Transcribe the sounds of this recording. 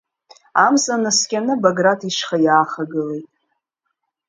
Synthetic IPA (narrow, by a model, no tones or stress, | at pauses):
amzʼanɨskʲʼanɨbaɡratʰiʂχajaːχaɡɨlejtʼ